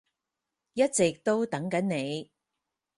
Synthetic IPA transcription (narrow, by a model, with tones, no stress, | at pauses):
jɐ˥t̚t͡sɪ˨k̚t̪o˥wt̪ɐ˨˥ŋkɐ˨˥nne˨˧j